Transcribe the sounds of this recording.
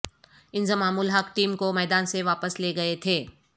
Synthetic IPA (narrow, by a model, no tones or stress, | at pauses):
ɪ̃nzəmaːmuːlɦɐkʰʈiːmkomɛːd̪aːnseʋaːpəsleːɡɐet̪ʰeː